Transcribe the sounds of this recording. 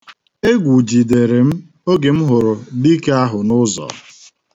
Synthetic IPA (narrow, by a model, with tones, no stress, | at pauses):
e˦ɡʷu˨d͡ʒi˨de˨ɾe˨m̩˦ | o˦ɡe˨m̩˦ɦʊ˨ɾʊ˨di˦ke˦a˦ɦʊ˨nʊ˦zɔ̰˨